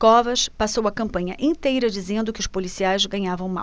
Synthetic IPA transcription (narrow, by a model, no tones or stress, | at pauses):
kɔvɐʃpasowɐkɐ̃mpɐ̃ɲɐʔĩnt̪ejɾɐd͡ʒizẽnd̪ʊkɪʊʃpolisiajzɡɐ̃ɲavɐ̃w̃ma̰w